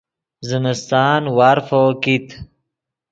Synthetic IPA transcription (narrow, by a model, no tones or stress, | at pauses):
ziməst̪aːnwaːɾfokit̪